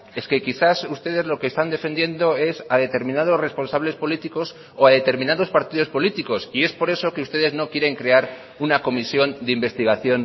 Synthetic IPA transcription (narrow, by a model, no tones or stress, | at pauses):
e̞ske̞kiθasust̪e̞ð̞e̞zlo̞keːst̪and̪e̞fe̞nd̪je̞nd̪o̞e̞saðet̪e̞ɾmĩnað̞o̞sre̞spo̞nsaβ̞le̞spo̞lit̪iko̞s | oaðe̞t̪e̞ɾmĩnaðo̞spaɾt̪iðo̞spo̞lit̪iko̞sie̞spo̞ɾe̞so̞keust̪e̞ð̞e̞zno̞kje̞ɾe̞ŋkɾe̞aɾ | unako̞misjo̞nd̪eimbe̞st̪iɣ̞aθjo̞n